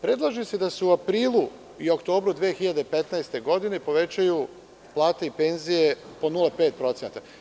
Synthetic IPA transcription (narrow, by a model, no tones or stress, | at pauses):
pɾe̞d̪lˠaʒised̪aseuapɾiːlˠu | io̞kt̪o̞ːbɾud̪ʋeexiʎad̪epe̞t̪naest̪e̞ɡo̞d̪ine̞po̞ʋe̞t͡ɕaju | plˠaːt̪eipe̞nzijepo̞nulˠepe̞ːt̪̚pɾo̞t̪senat̪a